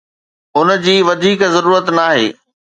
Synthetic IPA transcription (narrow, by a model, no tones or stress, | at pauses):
ʊnə̆d͡ʑiːʋɐd̪ʱiːkzɐɾuːɾət̪naːɦḛː